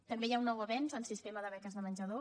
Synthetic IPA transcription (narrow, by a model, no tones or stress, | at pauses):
t̪əmbejaunːɔwəβɛnzənsist̪eməðəβɛkəzðəmənʲʒəðo